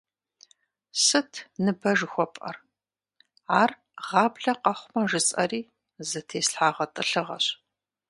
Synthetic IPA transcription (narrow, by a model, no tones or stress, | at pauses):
sɨtʰnɨbɐʒxʷɔpʼɐ̰r | aːr | ʁɑːbɮɐqɐχʷmɐʒɨt͡sʼɐ̰riː | zɐtʰeːsɬħaːʁɐtʼɨɬɨʁɐ̰ɕ